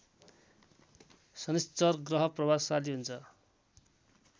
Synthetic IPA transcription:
sʌnist͡sʌrɡrʌɦʌprʌbasaliɦunt͡sʰʌ

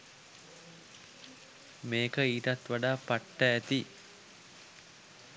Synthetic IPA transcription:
meːkəiːʈat̪ʋaɖaːpaʈːəæt̪i

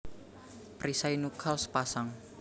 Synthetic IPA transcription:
pɾisainukʰalspasaŋ

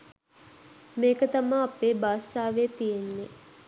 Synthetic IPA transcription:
meːkət̪amaːpeːbaːsaːʋeːt̪ijenːe

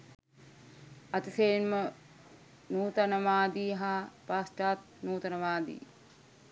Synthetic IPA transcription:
ɐt̪iseːnmə | nuːt̪ɐnəʋaːd̪iːɦaːpaːsʈaːt̪̚nuːt̪ɐnəʋaːd̪ḭː

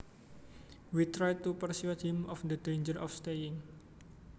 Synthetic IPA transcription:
wit̪ɾajt̪ːupərsuut̪̚hɪmɔfd̪ədend͡ʒəɾʔɔ̰fst̪ejɪŋ

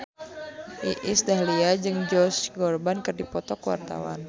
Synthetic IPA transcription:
ʔiʔisdahliad͡ʒɨŋd͡ʒɔsɡɔrbankɨrdipɔt̪ɔkəwa̰rt̪a̰wa̰n

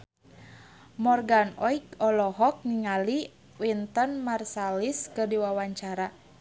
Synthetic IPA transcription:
mɔrɡanɔikɔlɔɦɔk̚niŋali | wint̪ənmarsaliskərdiwawaɲt͡ʃaɾa

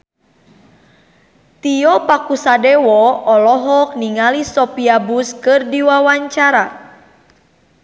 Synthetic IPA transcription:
t̪ijɔpakusadɛwɔɔlɔɦɔk̚niŋalisɔpiabuskɨrdiwawaɲt͡ʃaɾa

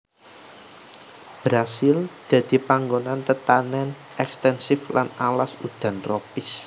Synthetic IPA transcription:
b̥ɾasɪld̪̥ä̤d̪̥i̤paŋɡonant̪ət̪anɛn | ɛkst̪ɛnsɪflʔanalasud̪̥ä̤nt̪ropɪs

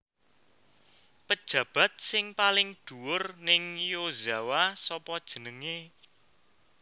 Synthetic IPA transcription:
pəd̥ʒ̥ä̤b̥ä̤t̪̚sɪŋpalɪŋd̪̥uwʊrnɪŋjozawasɔpɔd̥ʒ̥ə̤nəŋe

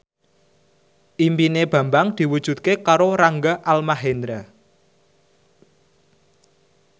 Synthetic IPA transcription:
ʔimpineb̥ä̤mbaŋd̪̥i̤wud̥ʒ̥ṳt̪̚kekaɾoɾaŋɡaʔalmaɦend̪ɾa

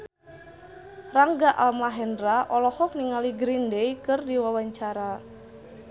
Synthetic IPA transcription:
raŋɡaʔalmaɦɛndraʔɔlɔhɔk̚niŋaliɡɾindejkɨrdiwawaɲt͡ʃaɾa

